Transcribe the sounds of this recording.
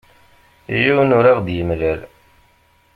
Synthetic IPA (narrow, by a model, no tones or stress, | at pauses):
jiwnʊɾæʁd̪jəmlæl